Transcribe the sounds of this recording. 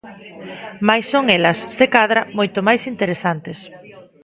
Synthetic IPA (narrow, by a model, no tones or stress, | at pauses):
majsːoŋelɐsːekaðɾamojt̪omajsint̪eɾesant̪es